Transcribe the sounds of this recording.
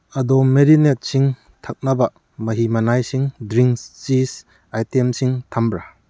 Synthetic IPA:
ɐdɔmmːeɾinet̚siŋ | tʰak̚nɐbɐ | mɐɦimɐnajsiŋdɾiŋt͡ʃis | ajtemsiŋtʰambɾa

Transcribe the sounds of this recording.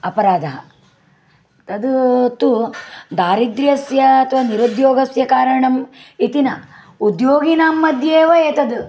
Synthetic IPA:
ɐpɐɾaːd̪ʱɐɦɐ | t̪ɐd̪ut̪ud̪aːɾid̪ɾijɐsjɐːt̪ʰɐʋɐniɾud̪joːɡɐsjɐkaːɾɐɳɐmit̪inɐ | ud̪joːɡinaːmːɐd̪ʱjeːʋɐeːt̪ɐd̪u

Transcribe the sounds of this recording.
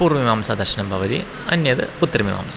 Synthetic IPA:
puːɾmiʋaːmsad̪ɐɾʂɐnɐmbʱɐʋɐðḭ | ɐnːjɐðɨ̰pʊt̪ːɾɐmiʋa̰ːms

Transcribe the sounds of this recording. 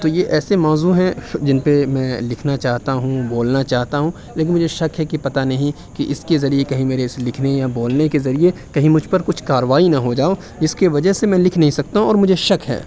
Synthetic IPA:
t̪oːjeʔɛːsemɔːzuɦɛ̃d͡ʒɪnpemɛ̃ːlɪkʰnat͡ʃaːɦt̪aɦũboːlnat͡ʃaːɦt̪aɦũ | leːk̬ɪnmʊd͡ʒʱeʃɐkɦɛkipɐt̪anɐɦĩ | kiʔɪskezɐɾiekɐɦĩmeːɾeɪslɪkʰnejaboːlnekezɐɾiekɐɦĩmʊd͡ʒʱpɐɾkʊt͡ʃʰkaːɾʋaːinɐɦod͡ʒaːo | d͡ʒɪskeʋɐd͡ʒəɦsemɛ̃ːlɪkʰnɐɦĩsɐk̚t̪aɦũɔːɾmʊd͡ʒʱeʃɐkɦɛ̰ː

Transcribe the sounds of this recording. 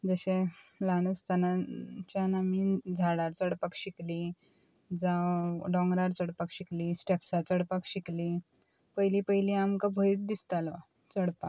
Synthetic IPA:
d͡zəɕẽlanəst̪anat͡ɕjanamiːd͡zʱaɽaɾt͡səɽpakɕikli | d͡zawɖɔ̃ŋɡɾaɾt͡səɽpakɕiklisʈepsat͡səɽpakɕikli | pəjlipəɦjliamkabʱəiʈ̪̚d̪ist̪alʋa̰ | t͡səɽpak

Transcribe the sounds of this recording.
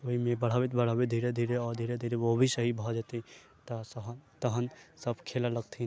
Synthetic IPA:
oɦimebəɽ̤abit̪bəɽ̤abed̪ʱiɾed̪ʱiɾeɔɾd̪ʱiɾed̪ʱiɾeobʱisəɦibʱɔd͡ʒat̪i | t̪ɔsəɦət̪əɦənsəbʱkʰelaləɡt̪ʰin

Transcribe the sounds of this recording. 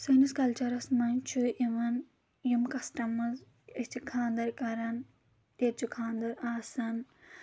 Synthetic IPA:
sɐniskɐlt͡ʃɐɾɐsmɐnt͡ʃʰuʔiʋɐn | jumkɐsʈɐmɐz | ɐsʲt͡ʃikʰaːnd̪ɐɾkɐɾɐn | teɾ̚t͡ʃʰukʰaːnd̪ɐɾaːsɐn

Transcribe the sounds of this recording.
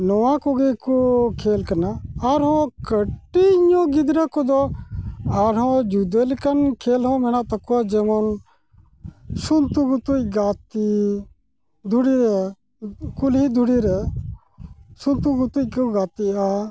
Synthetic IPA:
nɔwãkoɡekukʰeːlkɐnaaɾɦõkəʈːiɲoɡid̪ɾakɔd̪ɔ | aɾɦõd͡ʒud̪elikɐnkʰeːlɦõmɛñaʔt̪ɐkuad͡ʒemɔn | sunt̪uɡut̪uɡaːt̪i | d̪ʱuɽiɾe | kulid̪ʱuɽiɾe | sunt̪uɡut̪ukoɡaːt̪ia

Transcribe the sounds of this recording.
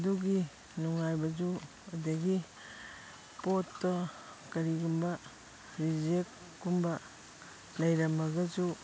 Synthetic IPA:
duɡi | nuŋajbɐd͡ʒu | ɐdɐɡi | potːɐ | kɐɾiɡumbɐ | ɾid͡ʒek | ɡumbɐ | lɐjɾɐmɐɡɐd͡ʒu

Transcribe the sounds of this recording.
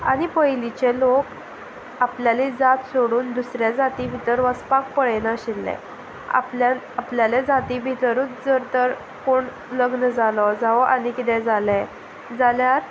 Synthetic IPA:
a̰ɽ̃ipəjlit͡ɕelok | apljalid͡zat̪soɽuːnd̪usɾjad͡zat̪ibʱit̪əɾʋəspak̚pəɭenaɕelːɛ̰ | a̰pla | apljaled͡zat̪ibʱit̪əɾut͡sd͡zəɾt̪əɾ | koɳ | ləɡnd͡zalɔd͡zaʋɔʔanikit̪ɛ̃d͡zale | d͡zaljaɾ

